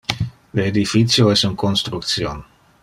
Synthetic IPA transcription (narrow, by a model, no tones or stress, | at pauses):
dəedifitsjoɪsənkɔnstryk̚sjon